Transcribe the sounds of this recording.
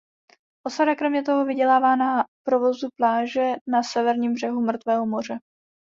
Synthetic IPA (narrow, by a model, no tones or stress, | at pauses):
ʔosadakɾɛmɲɛt̪o̞ɦovɪɟɛlaːvaːnapɾovo̞zuplaːʒɛnasɛvɛɾɲiːmbr̝ɛɦumr̩t̪vɛːɦomo̞r̝ɛ